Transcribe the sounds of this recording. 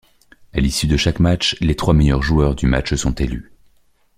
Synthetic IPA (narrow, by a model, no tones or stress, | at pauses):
alisyd̪əʃakmat͡ʃlet̪χwamɛjœʁʒuœʁd̪yma̰t͡ʃsɔ̃t̪ely